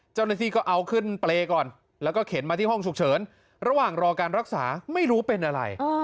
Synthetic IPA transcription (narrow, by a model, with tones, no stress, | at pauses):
t͡ɕa˥˩wnaː˧˩t̪ʰiː˧˩kɔː˥˩ʔa˧wkʰɯ˥˩npleː˧kɔː˨˩n | lɛː˦˥wkɔː˥˩kʰe˩˦nmaː˧t̪ʰiː˥˩hɔ˥˩ŋt͡ɕʰu˨˩k̚t͡ɕʰɤː˩˦n | ɾa˧waː˨˩ŋɾɔː˧kaː˧nɾa˦˥k̚saː˩˦ma˥˩jɾuː˦˥pe˧nʔa˧ɾa̰˧j